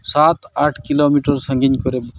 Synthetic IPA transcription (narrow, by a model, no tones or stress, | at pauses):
sat̪aʈʰkilomiʈəɾsəŋɡinkɔɾe